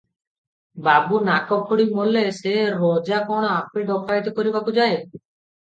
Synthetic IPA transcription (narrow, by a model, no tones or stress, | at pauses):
babunakɔkʰuɽimoleseɾɔd͡ʒakɔɽ̃ɔapeɖɔkaet̪ɔkɔɾibakud͡ʒae